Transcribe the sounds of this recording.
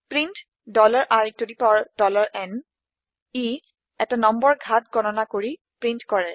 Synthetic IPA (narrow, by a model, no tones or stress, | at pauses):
pɹint | dɔlaɹʔaɹitodipɔɹd̥ɔlaɹʔɛn | i | ɛtanɔmbɔɹɡʱatɡʱɔnɔnakoɹi | pɹintkɔɹɛ